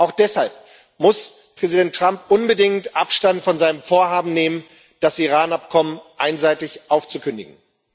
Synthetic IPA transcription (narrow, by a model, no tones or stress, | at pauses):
ʔaʊxd̥ɛshalp̚ | mʊs | pʁ̥ɛzidɛntːʁ̥ampʔʊnbədɪŋtʔapʃtantfɔnzaɪnəɱfoːɐɦaːbm̩neːmən | d̥asiʁaːnapkʰɔmənʔaɪnzaɪtɪçʔaʊft͡sukʰʏndɪ̰ɡŋ̩